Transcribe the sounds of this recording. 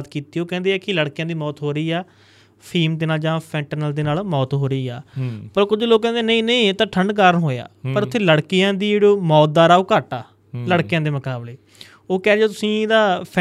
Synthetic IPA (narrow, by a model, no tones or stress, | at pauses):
t̪kiːt̪iːoːkɛ̃nd̪eːɛːkɪləɽkjãːd̪iːmɔːt̪ɦoːɾəiːɛː | pʰiːmd̪eːnaːld͡ʒãːpʰɛ̃ːɳʈənəld̪eːnaːlmɔːt̪ɦoːɾəiːɛːpəɾkʊd͡ʒloːkkːɛ̃ːnd̪eːnəĩːnəĩːt̪ãːʈʰəɳɖk̬əɾənɦoːja̰ːpəɾʊt̪ʰːeːləɽkɪjãːd̪iːeːɽoːmɔːt̪̚d̪aːɾaːoːkaʈaː | ləɽkejãːd̪eːmʊkaːbleː | oːkɛːɾd͡ʒoːt̪ʊsĩːd̪aːpʰ